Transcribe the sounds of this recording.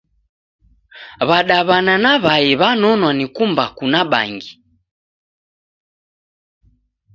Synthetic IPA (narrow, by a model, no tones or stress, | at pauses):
βaɗaβananaβaɛβanɔnwanikumbakunaɓa̰ŋɡi